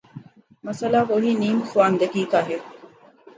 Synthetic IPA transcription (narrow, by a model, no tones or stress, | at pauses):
mɐsɐlaːkoɦiːniːmuxuʋaːnd̪ɐkiːkaːɦe